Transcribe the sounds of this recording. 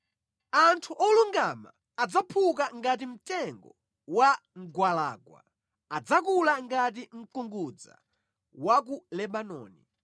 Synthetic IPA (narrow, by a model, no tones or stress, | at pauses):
antʰuʔɔluŋɡama̰ː | d͡zapʰukaŋɡat̬im̩tɛŋɡɔ | wa | ŋ̩ɡwala̰ːɡwa̰ | ad͡zakulaŋɡat̬iŋ̩kuŋɡud͡za̰ | wak̬ulɛɓanɔ̰ːnḭ